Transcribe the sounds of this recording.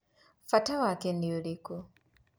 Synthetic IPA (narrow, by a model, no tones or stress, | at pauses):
fatawakɛndiulikɔ